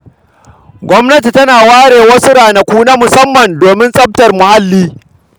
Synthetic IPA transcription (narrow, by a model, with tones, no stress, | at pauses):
ɡʷɔ˦mnɐ˦t̬i˨tɐ˦naː˨waː˦ɽeː˨wɐ˦sʊ˦ɽaː˨na˨kʷuː˦na˦mʊ˨sɐ˦mːɐ˨ndoː˨mɪ˦nsʼɐ˦b̚tɐ˨rmʊ˨ha˦lːiː˦